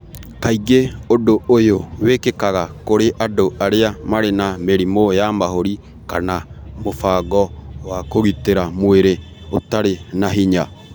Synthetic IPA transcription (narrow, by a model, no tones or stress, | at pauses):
kaiɡeodoojowekekaɣakoɾeʔadoʔaɾeamaɾenameɾimojamaɦoɾi | ka̰namofaːɡɔwakoɣiteɾamweɾe | otaɾenaɦiɲa̰